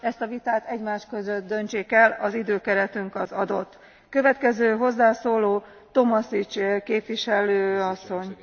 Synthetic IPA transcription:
ɛst̪ɒvit̪aːt̪ɛɟmaːʃkø̞zøt̪̚d̪ø̞nt͡ʃeːkɛlɒzid̪øːkɛɾɛt̪yŋkɒzɒd̪o̞t̪ː | køvɛt̪kɛzøːɦo̞zːaːsoːloː | t̪o̞mɒsit͡ʃkeːpvʋiʃɛløːɒsːo̞ɲ

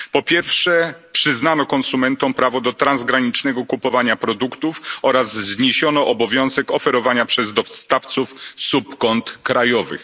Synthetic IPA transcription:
pɔpʲjɛɾfʂɛpʂɘznanɔkɔnsumɛnt̪ɔ̃w̃pɾavɔd̪ɔt̪ɾanzɡɾaɲit͡ʂnɛɡɔkupɔvaɲapɾɔd̪ukt̪ufɔɾazzɲeɕɔnɔʔɔbɔvʲjɔ̃w̃zɛkɔfɛɾɔvaɲapʂɛzd̪ɔfst̪aft̪sufsupkɔnt̪kɾajɔvɘ̰x

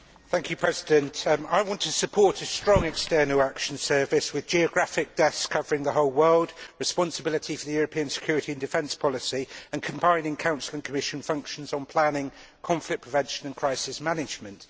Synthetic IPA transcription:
θæ̃ŋkʰjɨpʰɹ̥ɛzɪdə̃ntaɪwɒ̃ntʰəsəpʰɔˑtʰəstɹ̥ɒ̃ŋɛkstɜːnəlˠakʃə̃nsɜːvɪswɪðd͡ʒiəɡɹafɪk̚d̥ɛθskʰʌvəɹɪ̃ŋðəɦoʊlˠwɜːlˠdɹɪspɒ̃nsəbɪlɪtʰifəðəjɔːɹəpʰĩə̃nsɪkʰj̥ɔːɹɪtʰiə̃ndɪfɛ̃nspʰɒlɪsiə̃nkʰə̃mbãɪ̃nɪ̃ŋkʰãʊ̃nsəlˠə̃nkʰəmɪʃə̃nfʌ̃ŋkʃə̃nzn̩pʰl̥anɪ̃ŋkʰɒ̃ɱflɪk̚pʰɹ̥ɪvɛ̃nʃə̃nə̃nkʰɹ̥aɪsɪsmanɪd͡ʒmə̃nt

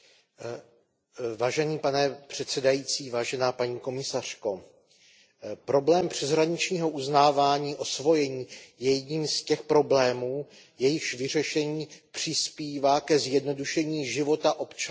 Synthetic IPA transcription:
vaːʒɛniːpanɛpr̝̥ɛt̪t͡sɛdajiːt͡siːvaːʒɛnaːpaɲiːko̞mɪsar̝̥ko̞ | pɾo̞blɛːmpr̥ɛzɦɾaɲɪt͡ʃɲiːɦo̞ʔuznaːvaːɲiːʔo̞svo̞jɛɲiːjɛjɛdɲiːmscɛxpɾo̞blɛːmuː | jɛjɪʃvɪr̝ɛʃɛɲiːpr̝̥ɪspiːvaːkɛzjɛdno̞duʃɛɲiːʒɪvo̞t̪aʔo̞pt͡ʃa

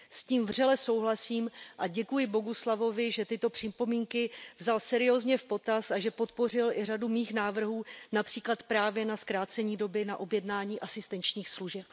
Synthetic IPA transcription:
sciːmvr̝ɛlɛso̞wɦlasiːmʔaɟɛkujɪbo̞ɦuslavo̞vɪʒɛt̪ɪt̪o̞pr̥ɪpo̞miːŋkɪvzalsɛɾɪjoːzɲɛfpo̞t̪asaʒɛpo̞t̪po̞r̝ɪlʔɪradumiːxnaːvr̩ɦuːnapr̝̥iːklat̪pɾaːvjɛnaskɾaːt͡sɛɲiːdo̞bɪnaʔo̞bjɛdnaːɲiːʔasɪst̪ɛnt͡ʃɲiːxsluʒɛp̚

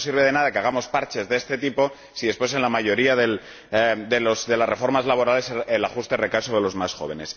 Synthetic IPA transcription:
siɾβeðe̞nað̞akeaɣ̞amo̞spaɾt͡ʃe̞zðe̞st̪e̞t̪ipo̞ | siðepwes̬e̞nlamaʝo̞ɾiaðel | d̪elosðe̞lasre̞fo̞ɾmazlaβo̞ɾale̞selaxust̪e̞re̞kasoðelo̞zmasxo̞βe̞ne̞s

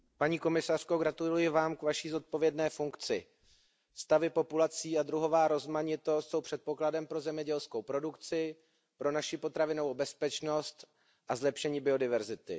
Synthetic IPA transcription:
paɲiːko̞mɪsar̝̥ko̞ɡɾat̪ullujɪvaːmkvaʃiːzo̞t̪̚po̞vjɛdnɛːfuŋkt͡sɪ | st̪avɪpo̞pulat͡siːad̪ɾuɦo̞vaːɾo̞zmaɲɪt̪ost̪so̞wpr̥ɛt̪̚po̞kladɛmpɾo̞zɛmɲɛɟɛlsko̞wpɾo̞dukt͡sɪ | pɾo̞naʃɪpo̞t̪ɾavɪnovowbɛspɛt͡ʃno̞st̪ | ʔazlɛpʃɛɲiːbɪo̞dɪvɛɾzɪt̪ɪ̰

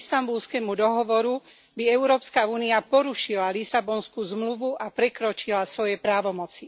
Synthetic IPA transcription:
st̪ambulskɛmud̪ɔɦɔʋɔɾu | biɛʊɾɔːpskauːniapɔɾuʃilalisabɔnskuzmluʋuʔapɾɛkɾɔt͡ʃilasʋɔjɛpɾaːʋɔmɔt͡si

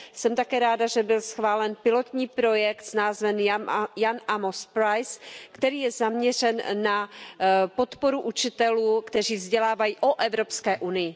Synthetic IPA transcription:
sɛmt̪akɛːɾaːdaʒɛbɪlsxvaːlɛnpɪlo̞t̪ɲiːpɾo̞jɛkt̪snaːzvɛnjanʔamospɾajskt̪ɛɾiːjɛzamɲɛr̝ɛnːa | po̞t̪po̞ɾuʔut͡ʃɪt̪ɛluːkt̪ɛriːvzɟɛlaːvajiːʔoʔɛvɾopskɛːʔunɪjɪ

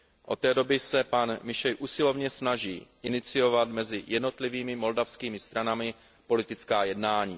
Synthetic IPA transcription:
ʔo̞̰t̪ːɛːdo̞bɪsɛpanmɪʃɛjʔuːsɪlo̞vɲɛsnaʒḭːʔɪnɪt͡sɪjo̞vat̪mɛzɪjɛdno̞t̪lɪviːmɪmo̞ldafskiːmɪst̪ɾanamɪ | po̞lɪt̪ɪt͡skaːjɛdnaːɲḭː

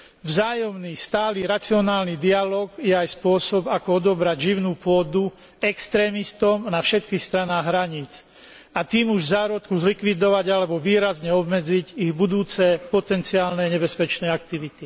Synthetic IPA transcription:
vzaːjɔmnist̪aːliɾat͡siɔnaːlnid̪ialɔːɡjɛajspʊɔsɔbakɔɔd̪ɔbɾaɟʒiʊnuːpʊɔd̪u | ɛkst̪ɾɛːmist̪ɔmnafʃɛt̪kixst̪ɾanaːɣɦɾaɲiːt͡s | at̪iːmuʒzaːɾɔt̪kuzlikʋid̪ɔʋaɟalɛbɔʋiːɾazɲɛɔbmɛd͡ziɟiɣbud̪uːt͡sɛpɔt̪ɛnt͡siaːlnɛɲɛbɛspɛt͡ʃnɛːakt̪iʋit̪i

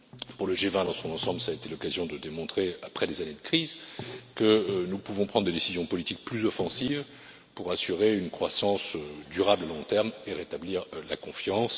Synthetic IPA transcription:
puʁləʒevɛ̃d̪ɑ̃sɔ̃nɑ̃sɑ̃blsaːet̪elɔkazjɔ̃d̪əd̪emɔ̃t̪χeapχɛd̪ezaned̪əkχizkənupuvɔ̃pχɑ̃d̪ʁd̪ed̪esizjɔ̃pɔlit̪ik̚plyzɔfɑ̃siv | puʁasyʁeynkχwasɑ̃sød̪yʁablalɔ̃t̪ɛʁmeʁet̪abliːʁla̰kɔ̃fjɑ̃s

